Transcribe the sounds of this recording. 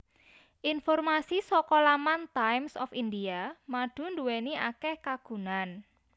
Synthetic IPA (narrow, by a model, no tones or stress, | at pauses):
ʔinfɔrmasisɔkɔlamant̪ajmsɔ̰findiamaɖ̥ṳnduweniakɛhkaɡ̥ṳnan